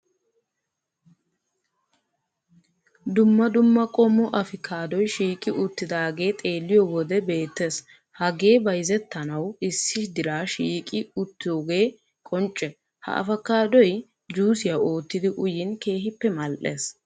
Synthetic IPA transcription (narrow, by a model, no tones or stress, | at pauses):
d̪ʊmːɐd̪ʊmːɐkʼɔmːɔʔɐfɪkʰaːd̪ɔjʃiːkʼɪʔʊt̪ːɪd̪aːɡe̞ːt̪ʼe̞ːlːɪjɔwɔd̪ɛbe̞ːt̪ːeːs | hɐɡe̞ːbɐjzɛt̪ːɐnɐwɪsːɪʃd̪ɪɾaːʃiːkʼɪʊt̪ːɪjoːɡe̞ː | kʼɔnt͡ʃʼːɛ | hɐ̰ʔɐ̰fɐkːaːd̪ɔj | d͡ʒuːsɪjɐo̞ːt̪ːɪd̪ɪʔʊjɪnke̞ːɦɪpːɛmɐlʔeːs